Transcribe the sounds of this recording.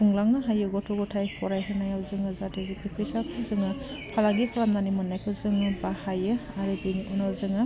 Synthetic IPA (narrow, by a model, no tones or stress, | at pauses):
uŋlaŋnɯɦajɯɡɔtʰɔɡɔtʰajpʰɔɾajɦɯnajawzɯŋɯzadezipʰipʰɯsapʰɯzɯŋapʰalaɡikʰalamnanimɯnːajpʰɯzɯŋɯbahajɯaɾɯbiniʔɔnɔzɯŋɯ